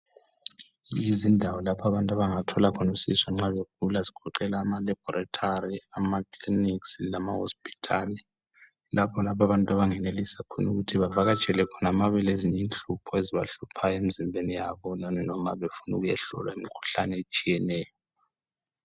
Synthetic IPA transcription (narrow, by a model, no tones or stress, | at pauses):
jizindʱawɔlapʰaβantʼaβaŋatʰɔlakʰɔnusḭswaŋ͡ǁaβek̚ulazi̥ɡ̥ʰʱɔǃɛlaːmalib̥ʱɔɾatʰaɾiamakʼlinikslamaho̰spʰʼi̥tʰali | lapʰɔlapʰaβantʼaβaŋɛnelisakʰɔnuɣutʰiβavaɣat͡ʃʼɛlɛkʰɔnamaβɛleziɲint͡ɬʼupʰɔeziβa̰ɬupʰaemizimbʱenijaβɔlanɔma̰βefunuɣujɛ̰ɬɔ̰lwa̰imikʰu̥ɬa̰nɛet͡ʃʼijɛnɛːjɔ